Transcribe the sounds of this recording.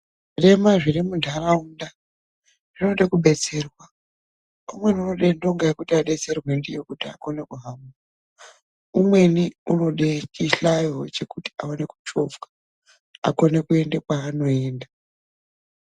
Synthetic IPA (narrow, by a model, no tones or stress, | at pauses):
re̞maʐirimudʱarauːnda | ʐ̥ino̞ɗekuɓe̞t͡se̞rwa | umwe̞niuno̞ɗendo̞ŋɡaikutiaɗe̞t͡se̞rwe̞ndijo̞kutiako̞ne̞kuɦamu | umwe̞niuno̞ɗet͡ʃiɬajot͡ʃe̞kuti̥aone̞ku̥t͡ʃo̞vkḁ | a̰ko̞ne̞kue̞ndekwaːno̞e̞ːnda